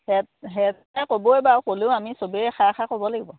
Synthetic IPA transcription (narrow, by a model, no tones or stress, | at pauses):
hɛtɦɛt | akoboɛbakoleʊamisobeɛxʰaxʰakobɔlaɡibɔ